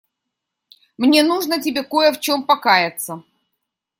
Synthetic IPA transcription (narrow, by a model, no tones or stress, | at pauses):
mnʲenuʐnətʲɪbʲeko̞jəft͡ɕo̞mpɐkajɪt̪sə